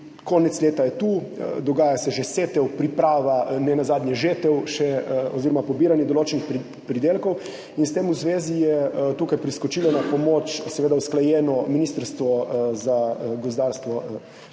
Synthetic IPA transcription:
koːnɛt̪sleːt̪ajɛt̪uːd̪ɔɡaːjasɛʒeset̪ɛwpɾipɾaːʋanɛnazaːd̪nʲjɛʒeːt̪ɛwʃɛɔziɾɔmapɔbiːɾanjɛd̪ɔloːt͡ʃɛnixp | pɾid̪eːlkɔw | inst̪eːmuzʋeːzijɛt̪uːkajpɾiskɔt͡ʃiːlɔnapɔmoːt͡ʃsɛʋeːd̪awsklajɛːnɔminiːst̪əɾst̪ʋɔzaɡozd̪aːɾst̪ʋɔ

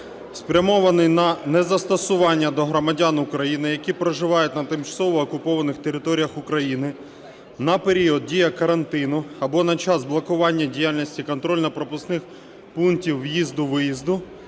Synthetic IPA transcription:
spɾʲɐmɔʋɐnɪjnɐnɛzɐst̪ɔsʊʋɑnʲːɐd̪ɔɦɾɔmɐdʲanʊkɾɐjinɪjɐkʲipɾɔʒɪʋɑjʊt̚ʲnɐt̪ɪmt͡ʃɐ̥sɔʋɔːkʊpɔʋɐnɪxt̪eɾɪt̪ɔɾʲijɐxʊkɾɐjinɪ | nɐpeɾʲiɔd̪̚dʲijɐkɐɾɐnt̪ɪnʊɐbɔnɐt͡ʃɑzblˠɔkʊʋɑnʲːɐdʲijalʲnʲisʲtʲikɔnt̪ɾɔlʲnɐpɾɔpʊsnɪx | punktʲiwːjizd̪ʊʋɪjizd̪ʊ

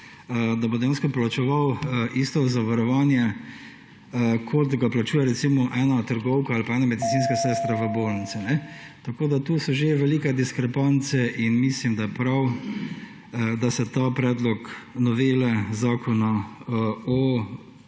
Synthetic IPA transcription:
d̪abod̪ɛjaːnskɔplat͡ʃɛʋawʔist̪ɔzaʋaɾɔʋaːnjɛ | kʰot̪ɡaplat͡ʃuːjɛɾɛsiːmɔʔɛːnat̪əɾɡɔwkɔalpaɛnamɛd̪it̪siːnskasɛːst̪ɾaʋəbolnit̪sinɛ | t̪akoːd̪at̪uːsɔʒeʋɛliːkɛd̪iskɾɛpant̪sɛʔinmislimd̪ajɛpɾaw | d̪asɛt̪apɾɛːd̪lɔknɔʋeːlɛzaːkʰɔna | ɔ

